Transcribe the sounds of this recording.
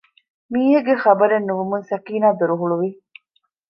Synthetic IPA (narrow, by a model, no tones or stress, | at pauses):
miːɦeɡeχɐbɐɾenːuʋumunsɐkiːnaːd̪uɾuɦuɭuʋi